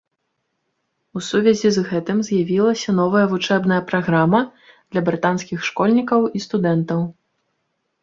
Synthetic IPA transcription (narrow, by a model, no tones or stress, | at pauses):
usuvʲɛzʲizɣɛt̪ɨmzʲjavʲilˠɐsʲɐn̪ɔvɐjɐvut͡ʂɛbnɐjɐpɾaɣɾamɐ | d̪̥lʲɐbɾɨt̪anskʲixʂkɔlʲnʲikɐwist̪ud̪ɛnt̪ɐw